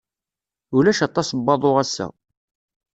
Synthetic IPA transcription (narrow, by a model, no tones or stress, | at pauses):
ʊlæʃɑt̪ˤːɑsbːɑðˤoʁæsːæ̰